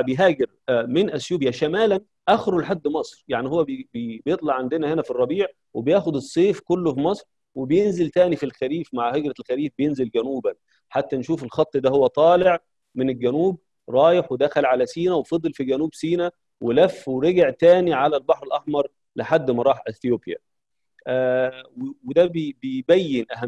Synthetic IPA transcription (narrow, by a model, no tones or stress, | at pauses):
bejɦæːɡeɾ | mɪnʔæsjuːbjæʃæmæːlæn | ʔæxɾolħad̪ːmɑsˤɾjaʕnihowːæbbjet̪ˤlɑʕand̪enæhenæfirˤːɑbiːʕ | webejæːxod̪esˤːeːfkolːofimɑsˤɾ | webejenzelt̪æːnifilxæɾiːfmaʕheɡɾɑlxæɾiːfbejenzelɡænuːbæn | ħat̪ːænʃuːfelxɑt̪ˤːd̪æhowːæt̪ˤɑːleʕ | menelɡænuːb | ɾˤɑːjeħwed̪æxælʕalæsiːnæwefɑd̪ˤːelfiɡænuːbsiːnæ | welæfːweɾeɡɪʕt̪æːniʕalælbɑħɾelʔɑħmɑɾˤ | lɪħad̪ːmɑɾˤɑːħʔeθjoːbjæ̰ | ʔæwwed̪æbbebæjːenʔæɦæm